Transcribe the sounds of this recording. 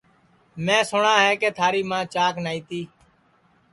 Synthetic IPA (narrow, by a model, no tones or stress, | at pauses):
mɛ̃ːsʊɳãːɦɛːkeːt̪ʰaːɾiːmãːt͡ʃaːknaːiːt̪iː